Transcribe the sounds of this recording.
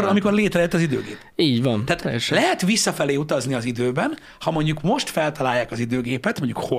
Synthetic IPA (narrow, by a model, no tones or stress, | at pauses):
ɾɒmiko̞rleːt̪rɛɛt̪ːɒzid̪ø̰ːɡḛːpiːɟvɒnɛaːt̪ɛʃlɛɦɛt̪ʋisːɒfɛleːut̪ɒzniɒzid̪øːbɛn | hɒmo̞ɲɟukmo̞ʃt̪fɛlt̪ɒlaːjːaːkɒzid̪øːɡeːpɛt̪mo̞ɲɟṵkho